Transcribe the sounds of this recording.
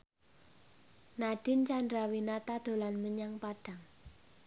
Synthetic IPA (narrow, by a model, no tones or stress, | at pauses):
naɖ̥ɪnt͡ʃand̪ɾawinat̪ad̪̥o̤lanməɲaŋpaɖ̥a̤ŋ